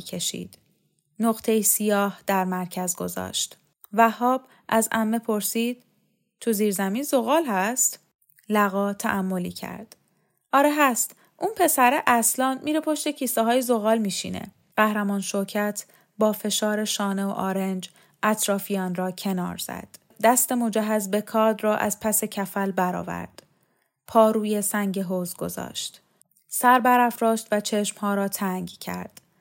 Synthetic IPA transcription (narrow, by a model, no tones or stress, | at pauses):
kʰe̞ʃḭːd̪̥ | noɣt̪ʰejisijɒːhd̪̥æɾmæɾcʰæzɡozɒ̰ːʃt̪ | væhɒːb̥ | ʔæzæmːepʰo̞ɾsiːd̪̥̚ | t̪ʰuziːɾzæmiːnzoɣɒːlhæst̪ | læɣɒːt̪ʰæ̰ʔæmːoliːcʰæ̰ɾd̪̥ | ʔɒːɾeɦæst̪ | ʔunpʰe̞sæɾeʔæslɒːnmiːɾepʰo̞ʃt̪ecʰiːsɒɦɒːjezo̞ɣɒːlmiːʃḭnḛ | ɢæhɾæmɒːnʃoɾcʰæt̪ʰ | bɒːfe̞ʃɒːɾe̞ʃɒːneo̰ʔɒːɾe̞nd͡ʒ | ʔæt̪ʰɾɒːfijɒːnrɒːcʰe̞nɒ̰ːɾz̥æ̰d̪̥ːæst̪e̞mod͡ʒæɦæzbe̞kʰɒːd̪rɒːʔæ̰zpʰæse̞cʰæfælbæɾɒ̰ːvæ̰ɾd̪̥ | pʰɒːɾuːje̞sæŋɟeɦozɡo̞̰zɒ̰ːʃt̪ | sæɾbæɾæfɾɒːʃt̪væt͡ʃʰe̞ʃmhɒːɾɒːt̪ʰæŋɟcʰæ̰ɾd̪̥